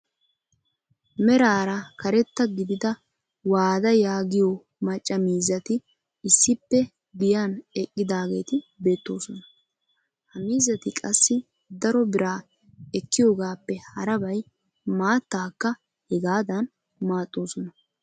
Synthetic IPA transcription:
mɛɾaːɾɐkɐɾɛt̪ːɐɡɪd̪ɪd̪ɐ | waːd̪ɐjaːɡɪjo | mɐt͡ʃʼːɐmiːzːɐt̪ɪ | ɪsːɪpːɛ | ɡ̪ɪjanɛkʼːɪd̪aːɡe̞ːt̪ɪbe̞ːt̪ːo̞ːsɔnɐ | hɐmiːzːɐt̪ɪkʼɐsːɪ | d̪ɐɾɔbɪɾaː | ɛkːɪjo̞ːɡaːpːɛhɐɾɐbɐj | maːt̪ːaːkːɐ | hɛɡaːd̪ɐn | maːt̪ʼːo̞ːsɔnɐ

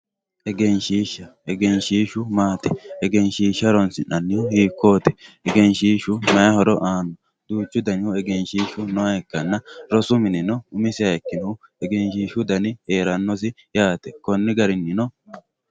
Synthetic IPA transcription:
ʔɛɡɛnʃiːʃːɐʔɛɡɛnʃiːʃʊmaːt̪ɛɛɡɛnʃiːʃːɐɾɔnsɪnɐnːɪʊhiːkːoːt̪ɛ̥ʔɛɡɛnʃiːʃʊmɐjɐhɔɾɔʔaːnɔ | d̪̥uːt͡ʃːʊd̪ɐnɪʊɛɡɛnʃiːʃʊnɔɐɛkːɐnːɐɾɔsʊmɪnɪnɔʊmɪsɪɐɛkːɪnɐʊɛɡɛnʃiːʃʊd̪ɐnɪheːɾɐnːɔs̬ɪ | jaːt̪ɛkɔnːɪɡɐɾɪnːɪnɔ

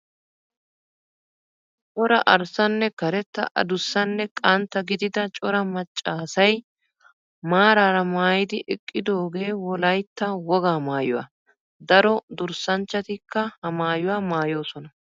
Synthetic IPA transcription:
t͡ʃʼɔɾɐʔɐɾsɐnːɛkɐɾɛt̪ːɐ̰ʔɐ̰d̪ʊsːɐnːɛkʼɐnt̪ːɐɡɪd̪ɪd̪ɐt͡ʃʼɔɾɐmɐt͡ʃʼːaːsɐj | maːɾaːɾɐmaːjɪd̪ɪʔɛkʼːɪd̪o̞ːɡe̞ːwɔlɐjt̪ːɐwɔɡaːmaːjʊwa̰ | d̪ɐɾɔd̪ʊɾsɐnt͡ʃːɐt̪ɪkːɐhɐmaːjʊwaːmaːjo̞ːsɔnɐ

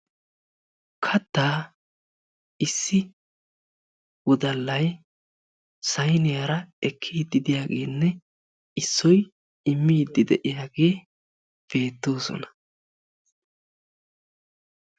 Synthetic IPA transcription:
kʰɐt̪ːaː | ɪsːɪ | wɔd̪ɐlːɐj | sɐjnɪjaɾɐɛkʰːiːd̪ɪd̪ɪjaːɡe̞̰ːnːɛ | ɪsːɔj | ɪmːiːd̪ɪd̪ɛʔɪjaːɡe̞ː | b̥e̞ːt̪ːo̞ːsɔ̰nɐ̥

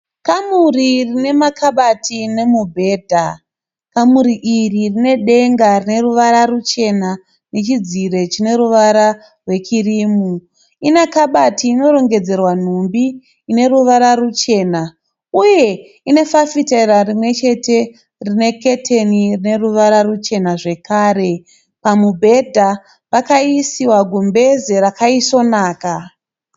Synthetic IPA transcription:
kamuririne̞makʰaɓatine̞mubʱe̞ːdʱa | kamuɾiʔiririne̞ɗe̞ŋɡarine̞ruʋaɾarut͡ʃe̞na | ne̞t͡ʃid͡ziɾe̞t͡ʃine̞ɾuʋaɾa | rwe̞t͡ʃiriːmu | inakaɓatiːno̞ɾo̞ŋɡe̞d͡ze̞rwan̤umbiː | ne̞ruʋaɾarut͡ʃe̞ːna | uje̞ | ine̞fafiterarimwe̞t͡ʃe̞te̞ | rine̞ke̞tʰe̞nirine̞ruʋaɾarut͡ʃe̞naʐe̞kaːɾe̞ | pamubʱe̞dʱa | pakaisiwaɡʱumbe̞zeɾakaiso̞naːka

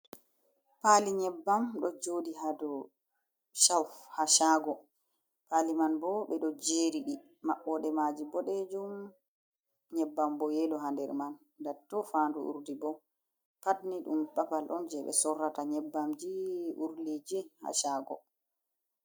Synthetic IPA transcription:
paːliɲɛbːamɗɔd͡ʒoːdiɦadɔ | ʃafhaʃaːɡɔ | paːlimanbɔɓɛɗɔd͡ʒeɾiɗi | maɓːɔɗɛmad͡ʒibɔɗed͡ʒum | ɲɛbːambɔjɛlɔɦandɛɾman | datːɔfaːnduʔṵɾdibɔ | patniɗumpapalʔɔnd͡ʒɛɓɛ̰sɔrːataɲɛbːamd͡ʒiuɾlid͡ʒiha̰ʃaːɡɔ̰

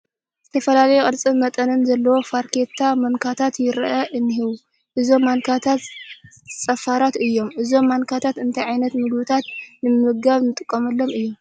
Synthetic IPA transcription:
z̥ɨt̪ʰɐfɐlalɐjukʼɨɾt͡sʼɨmɐt̪ʼɐnɨnzɐlːɐwo̞faɾkʰe̞t̪ʰːamɐnkʰat̪ʰat̪jɪɾʔaʔɨnːɨɦiβu | ʔɨzo̞mːankʰat̪ʰat̪ | t͡sʼɐfaɾat̪ɨjːo̞mʔɨzo̞mːaŋkʰat̪ʰat̪ɨnt̪ʰɐjʕajnɐt̪mɨɡβɨt̪ʰat̪nɨmɨɡaβnɨt̪ʼɨkʼːɐmɐlːo̞mɨjːom

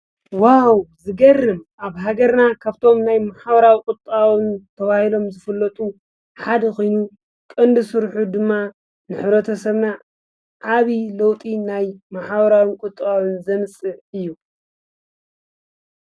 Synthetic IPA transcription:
wawzɨɡɐrɨmʔaβɦaɡɐɾnakʰaβt̪ʰo̞mnajmaħaβɐɾawikʼʊt̪ʼːawɨnt̪ʰɐβahilo̞mzɨfɨlːɐt̪ʼu | ħad̪ɐkojnu | kʼɨnd̪ɨsɨɾħud̪ɨmːa | nɨħɨβɾɐt̪ʰɐsɐβna | ʕaβilɐwt̪ʼinajmaħaβɐɾawɨkʼʊt̪ʼːawɨnzɐmɨsʼɨɨjːu

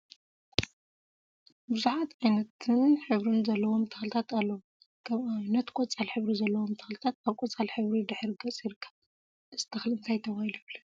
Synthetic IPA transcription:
bɨzuħat̪ʔajnɐt̪ʰɨnħɨβɾɨnzɐlːɐwo̞mt̪ʰɐ̥xlɨt̪ʰat̪alːɐwu | ɡɐanɐt̪kʷʼɔt͡sʼalħɨβɾizɐlːɐwomt̪ʰɐ̥xlɨt̪ʰat̪̚kʰaβkʼɔt͡sʼalħɨβɾid̪ɨħɾiɡɐt͡sʼiɾɨkʰːɐβ | ʔɨz̥ɨt̪ʰɐxlɨnt̪ʰajt̪ʰɐβahilujβlɐ

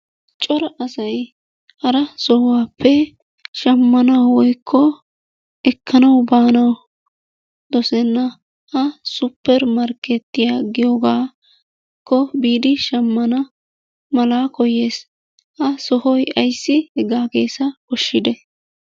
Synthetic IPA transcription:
t͡ʃʼɔɾɐʔɐsɐj | hɐɾɐsɔhʊwaːpʰːɛ | ʃɐmːɐnɐwwɔjkʰːɔ | ɛkʰːɐnɐwbaːnɐw | d̪̥ɔsɛnːɐ | hɐsʊpːɛɾmɐɾkɛt̪ːɪjaːɡɪjoːɡaː | kːɔbiːd̪ɪʃɐmːɐnɐ | mɐlaːkɔjeːs | hɐsɔhɔjʔɐjsːɪhɛɡaːɡe̞ːsɐkɔʃːɪd̪ɛ

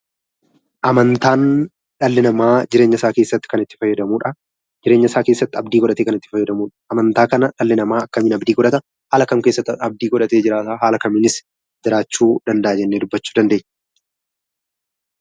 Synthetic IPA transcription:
ʔɐmɐnt̪aːn | ᶑɐlːɪnɐmaːd͡ʒɪɾe̞ːɲːɐsaːke̞ːsːɐt̪ːɪ̥kɐnɪt̪ːɪ̥fɐjːɐd̪ɐmuːᶑɐ | d͡ʒɪɾeːɲːɐsaːke̞ːsːɐt̪ːɪɐbd̪iːkɔᶑɐt̪eːkɐnɪt̪ːɪ̥fɐjːɐd̪ɐmuːᶑɐ̥ʔːmɐnt̪aːkɐnɐᶑɐlːɪnɐmaːɐkːɐmiːnɐbd̪iːkɔᶑɐt̪ɐ | haːlɐkɐmke̞ːsːɐt̪ːɐb̚d̪iːkɔᶑɐt̪e̞ːd͡ʒɪɾaːt̪aːɦaːlɐkɐmɪnɪs | d͡ʒɪɾaːt͡ʃːuːd̪ɐnd̪ɐʔɐd͡ʒɛnːeːd̪ʊbːɐt͡ʃːuːd̪ɐnd̪e̞ːɲː

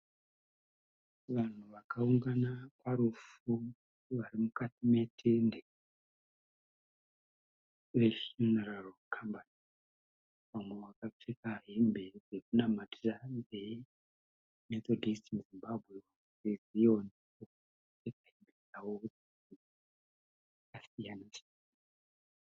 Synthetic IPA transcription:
ʋan̤uʋakauŋɡanakwaɾufu | ʋarimukatime̞tʰende | ʋefjuneralkʰambani | ʋamweʋakaʂikaɦembed͡zekunamatirande | met̪odʱistimuzimbabʱwe̞u | d͡zezijonio | tekaɦembed͡zawod͡zi | i | kasijanat͡ʃia

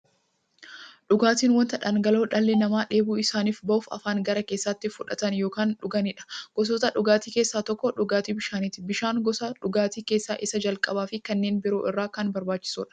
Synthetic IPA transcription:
ᶑʊɡaːt̪iːnwɔnt̪ɐᶑɐnɡɐlo̞ːᶑɐlːɛnɐmaːᶑe̞ːbuːɪsaːniːfbɐʔʊfɐ̰faːŋɡɐɾɐkeːsːɐt̪ːɪfʊᶑɐt̪ɐnjo̞ːkaːnᶑʊɡɐnɪᶑɐ̥ɡ̥ɔs̬ɔt̪ɐᶑʊɡaːt̪iːke̞ːsːaːt̪ɔkːɔᶑʊɡaːt̪iːbɪʃaːnɪt̪ɪbɪʃaːŋɡɔsaᶑʊɡaːt̪iːke̞ːsːaːʔɪsɐd͡ʒɐlkʼɐbaːfɪkɐnːeːnbɪɾo̞ːʔɪrːaːkɐnbɐɾbaːt͡ʃːɪ̥sṵːᶑɐ̥

